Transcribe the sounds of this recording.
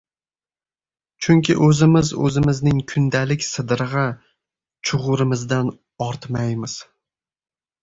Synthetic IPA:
t͡ʃʰʊŋkʲʰɪ̰ʔɵzɪmɪzɵ̰zɪmɪznɪŋkʰʊnd̪alɪkʲsɨd̪ɾɨʁɑ | t͡ʃʰʊʁʊɾɪmɪzd̪an | ɒɾt̪majmɪz̥

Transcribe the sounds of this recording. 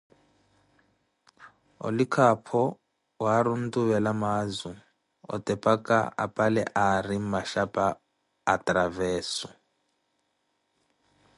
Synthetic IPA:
ɔ̰likʰapʰɔ | waɾun̩tuβɛlamazu | ɔ̰tʼɛpʼakʼa̰a̰pʼalɛ̰ʔarimaʃapʼaː | tɾavɛːsu

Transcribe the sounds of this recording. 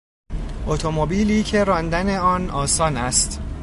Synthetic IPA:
ʔot̪ʰo̞mobiːliːcʰe̞ɾɒːnd̪æne̞ɒːnɒːsɒːnæst̪

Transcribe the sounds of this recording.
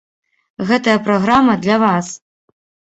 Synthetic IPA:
ɣɛt̪ɐjɐpɾɔɣɾamɐd̪lʲɐvas

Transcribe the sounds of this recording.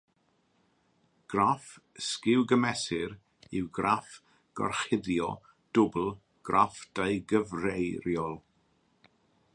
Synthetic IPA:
ɡ̥raf | skɪwɡəmɛsɪɾ | ɪwɡraf | ɡ̥ɔ̰rχɪðjɔ̰ | d̥ʊbl̩ˠ | ɡ̥rafd̥ajɡəvrejɾjɔlˠ

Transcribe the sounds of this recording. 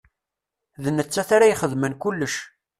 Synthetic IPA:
ðənːət͡sːæθaɾajχəðmənkulːəʃ

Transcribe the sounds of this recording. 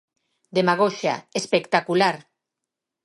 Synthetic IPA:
d̪emaɣ̞oʃa̰espekt̪akulaɾ

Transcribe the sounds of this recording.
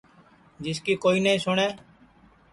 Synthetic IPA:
d͡ʒɪskiːkoːiːnĩːsʊɳeː

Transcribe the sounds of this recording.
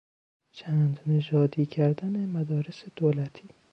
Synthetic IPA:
t͡ʃʰæːnd̪ned͡ʒɒːd̪iːcʰæɾd̪ænemæd̪ɒːɾesed̪̥oːlæt̪ʰiː

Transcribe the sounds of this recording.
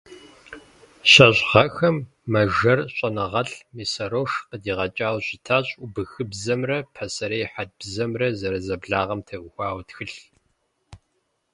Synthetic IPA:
ɕɐɕʼʁɐxɐmː | ɐʒɐrɕʼɐnɐʁɐɬmiːsɐɾoːʂqədiːʁɐt͡ʃʼaːwɕɪtʰaːɕʼʊbɨxɨbzɐmrɐpʰɐsɐɾejħad̚b̥zɐmrɐzɐɾɐzɐbɮaːʁɐmtʰɐʔxʷaːwtxɨɬ

